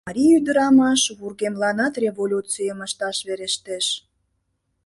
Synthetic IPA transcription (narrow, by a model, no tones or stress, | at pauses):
ɑɾʲijyd̪əɾɑmɑʃβurɣemlɑnɑt̪rʲevolʲut͡sijəməʃt̪ɑʃβeɾeʃt̪eʃ